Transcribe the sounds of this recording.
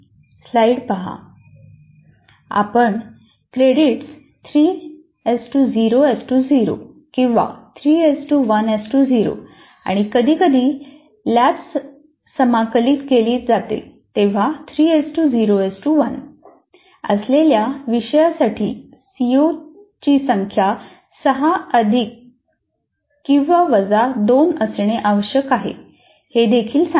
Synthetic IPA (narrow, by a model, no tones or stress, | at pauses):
slaiɽpəɦa̰ | a̰pəɳ | kɾeɽiʈs | t̪ʰɾiː | esʈud͡ziɾoesʈud͡ziɾo̰ | kĩw̃ʋa̰t̪ʰɾiːesʈuːʋənesʈud͡ziɾo̰ | a̰ɽ̃ikəd̪ʱiːkəd̪ʱiː | laps | səmakəliːt̪keliːt̪d͡zat̪ḛt̪eʋ̤at̪ʰɾiːesʈud͡ziɾoesʈuʋən | ə̰sleljaʋiɕəjasaʈʰḭː | sio | t͡ɕiːsəŋkʰja | səɦaəd̪ʱik | ĩw̃ʋaʋəd͡zad̪onəsɳeʔaʋəɕjəkaɦḛ | hed̪ekʰiːlsa